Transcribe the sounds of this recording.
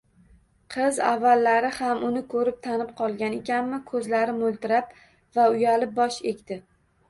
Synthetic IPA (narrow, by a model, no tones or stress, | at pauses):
qʰɨza̰vːalːaɾɪhamʊnɪkʰɵɾɪp̚t̪ʰanɪp̚qʰɒlˠɡʲane̞kʲʰanmɪkʰɵzlaɾɪmʊlˠt̪ɪɾap̚ | vaʊjalɪp̚bɒʃekʲt̪ɪ